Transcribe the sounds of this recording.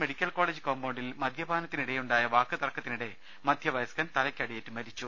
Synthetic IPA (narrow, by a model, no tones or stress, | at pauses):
meɽikʲːɐlko̞ːɭeːd͡ʑɨkoːmboːɳɖilmɐd̪ʱjɐbʱaːnɐt̪ːiniɽejuɳɖaːjɐʋaːkːɨt̪ɐrɐkːɐt̪ːiniɽe̞ | mɐd̪ʱjɐʋɐjɐskɐnt̪ɐlɐkʲːɐɽijetːɨmɐɾit͡ɕːu